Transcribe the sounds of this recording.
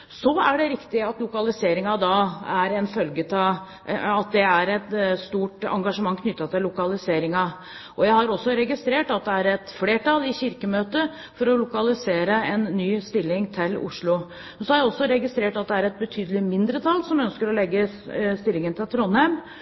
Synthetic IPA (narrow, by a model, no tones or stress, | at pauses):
sɔæɖɛɾɪkt̪ɪɑt̪lʊkɑlɪseːɾɪŋɑd̪ɑæɾɛnfœlɡət̪ʰɪ | ɑt̪̚d̪ɛæɾɛt̪st̪uːʈɑ̰ŋɡɑʂəmɑŋːkʰnʏt̪ːɑt̪ʰɪlːʊkɑlɪseːɾɪŋɑ | ʔɔjæɪhɑɾɔsːɔɾɛɡɪst̪ɾeːʈɑt̪̚d̪ɛæɾɛt̪fleːʈʰɑlɪçɪɾkəmøːt̪ə | fɔɾɔlʊkɑlɪseːɾəɛnːyːst̪ɪlːɪŋt̪ʰɪlʊ̰ʂɭʊ | mɛnsɔhɑɾjæɪɔsːɔɾɛɡɪst̪ɾeːʈɑt̪̚d̪ɛæɾɛt̪̚bət̪ʰyːd̪əlɪmɪnd̪ɾət̪ʰɑlːsɔmœnskəɾɔlɛɡːə | st̪ɪlːɪŋənt̪ʰɪlt̪ʰɾɔnhɛm